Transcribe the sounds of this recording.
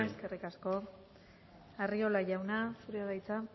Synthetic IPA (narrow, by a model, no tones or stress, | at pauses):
eske̞rikasko̞ | ario̞laʝawnasuɾeaɣajt͡sa